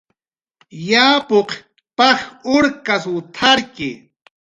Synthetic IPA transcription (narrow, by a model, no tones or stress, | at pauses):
jaːpoq | paχʊɾkaswʊt̪ʰaɾkɪ